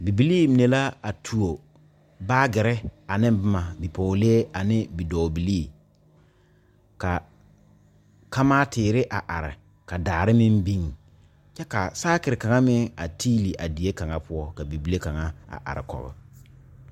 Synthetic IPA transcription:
bi˨bi˨liː˦mi˨ne˨la˦a˨tʰu˨o˨ | baː˦ɡɪ˨ɾɪ˦a˨nɪ˦m˦bɪ˦ma˨bi˨po˨le˦e˦a˨nɪ˦bi˨dɔː˨bi˨liː˦˨ | ka˨ | ka˦maː˦tɪː˨ɾɪ˦ʔa˨ʔa˨ɾɪ̰˨ | ka˨daː˨ɾɪ˦mɪ˦mbi˦ŋ˨ | t͡ʃɛ˦ka˨saː˦kɪ˨ɾɪ˨ka˨ŋa˦mɪ˦ŋa̰˨tʰiː˦li˨ʔa˨di˨e˦ka˨ŋa˦pʊ˦ɔ˦ka˨bi˨bi˨le˦ka˨ŋa˦a̰˨ʔa̰˨ɾɪ̰˨kɔ̰˨ɣɪ̰˨

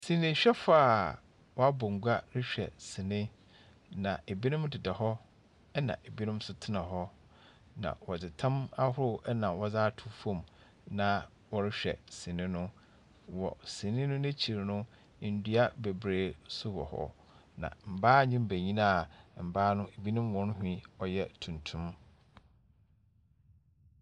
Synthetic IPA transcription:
sĩ˨nɪ̃˨ɕᶣɛ˦faː˦˨ | wɔ˦a˦bɔ˨ŋ̩˨ɡʷa˦ɾɪ˦ɕᶣɛ̰˨sɪ̃˨nɪ̃˦ | nã˨e˨bi˦nʊ̃˦mdɪ˨dɛ˨ɦɔ˦ | ɛ˦nã̰˨ʔe˨bi˦nʊ̃˦m˦sʊ˨tʰɪ˦nã˨ɦɔ˦ | nã̰˨wɔ˨dɪ˨tʰã˦ma˦ɦʊ˦ɾʊ˦ɛ˦nã˨wɔ˦zaː˦tʰʊ˦fɔ̃˦˨m | nã˨ | wɔ˨ɾɪ˦ɕᶣɛ̰˨si˨nɪ̃˦nʊ̃˦ | wɔ̰˨sĩ˨nɪ̃˦nʊ̃˦nɛ̃˦t͡ɕʰi˨ɾnʊ̃˦˨ | n̩˨dɥa˦be˨bɾeː˨sʊ˦wɔ̰˨hɔ̰˦ | nã̰˨m̩˨baː˦˨ɲɪ̃˦m˦bæ˨ɲĩ˦nã˦˨m̩˨baː˦nʊ̃˦e˨bi˦nʊ̃˦mwɔ̃˦n˦ɦᶣĩ˦ɔ˨jɛ˦tʰũ˨ntʰũ˦m

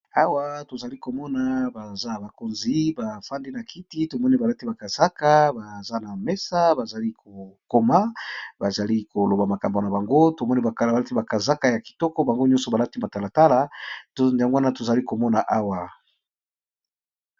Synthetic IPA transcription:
a˦wa˦to˨za˨li˦ko˨mɔ˦na˨ba˨za˦ba˨ko˨nzi˨˦ba˨fa˦nde˦na˨kʰi˦ti˦to˨mɔ˦ne˦ba˨la˦ti˦ba˨ka˨z̥a˦ka˦ba˨za˦na˨mɛ˦sa˦ba˨za˨li˦ko˨ko˦ma˦ba˨za˨li˦ko˨lo˨ba˨ma˨ka˨mbo˨na˨ba˨ŋɡo˦to˨mɔ˦ne˦ba˨ka˨a˨la˦ti˦ba˨ka˨za˦ka˦ja˨ki̥˨tɔ˦kɔ˦ba˨ŋɡo˦ɲɔ˦sɔ˨ba˨la˦ti˦ma˨ta˨la˨ta˦la˦to˦nda˨ŋɡo˦wa˦na˦to˨za˨li˦ko˨mɔ˦na˨ʔa˦wa˨

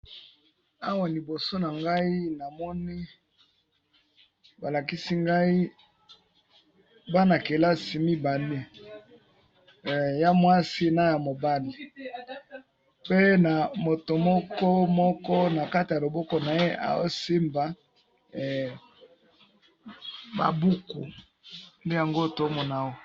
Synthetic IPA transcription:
a˦wa˨li˨bo˨so˦na˨ŋɡa˦i˦na˨mɔ˦ni˦ | ba˨la˨ki˦si˦ŋɡa˦i˦ | ba˦na˨ke˨la˦si˨mi˦ba˨ni˦˨ | ja˦mwa˦si˦na˦ja˨mo˨ba˦li˨ | pe˦na˨mo˨to˨mɔ˦kɔ˦mɔ˦kɔ˦na˨ka˦ti˨ja˨lo˨bɔ˦kɔ˨na˨je˦ʔa̰˨o˦si˦mba˨ | ba̰˨bu˦ku˨ | nde˦ja˨ŋɡo˦˨to˨˦mɔ˨na˨o˦

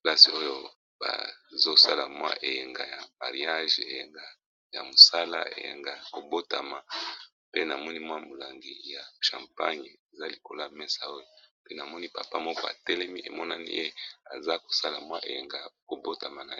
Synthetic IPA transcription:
pla˦si˨o˦jo˦ | b̥a̰˨zo˦sa˦la˨mwa̰˦ʔe˨je˨ŋɡa˨ja˨ma̰˨ʁi˨˦a˦ʒe˨je˨ŋɡa˨ | ja̰˨mo˨sa˦la̰˦ḛ˨jḛ˨ŋɡa˨ko˨bo˦ta˨ma˨ | pe˦na˨mɔ˦ni˦mwa˦mo˨la˨ŋɡi˨ja˨ʃã̰˨mpa˦ɲ˨e˨za˦li˨ko˨la˦mɛ˦sa˦o˦jo˦pe˦na˨mɔ˦ni˦pa˨pa˦mɔ˦kɔ˦a̰˨tɛ˦lɛ˦mi˦ʔe˨mɔ˦na˦nḭ˦ʔe˦a̰˨za˦ko̥˨sa˦la˨mwa˦ʔḛ˨je˨ŋɡa˨ko˨bo˦ta˨ma˨na˨˦

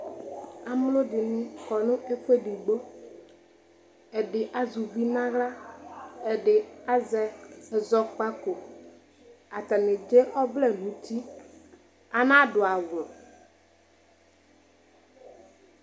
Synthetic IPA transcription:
a˨mʊ˦lʊ˦dɪ˨nʊ̃˦kɔ˨nʊ̃˦ʔe˦fe˦di˨ɡ͡bo˦ | ɛ˨dɪ˨ʔa˨zʊ˨vi˦nã˦ɣla˦ | ɛ˨dɪ˨a˦zɛ˨zɔ˨k͡pa˦ko˨ | a˨tɛ˨nɪ˨d͡ʒe˦ʔɔ˦vlɛ˦˨nũ˨˦ti˦ | a˨nã˦dʊ˨a˨ɣʊ˨

